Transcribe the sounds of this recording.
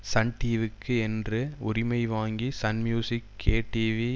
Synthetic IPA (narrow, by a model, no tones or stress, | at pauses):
sɐɳʈiːʋɪkʰːɯɛndrɯʊɾɪmɐɪʋaːŋɡisɐnmjuːsɪkʰeːʈiːʋi